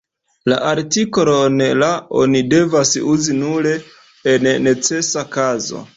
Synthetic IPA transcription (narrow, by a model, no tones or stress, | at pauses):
la̰ʔaɾtikoɾonlao̞̰nide̞vasuzinuɾe̞ | enːe̞t͡se̞sakazo̞̰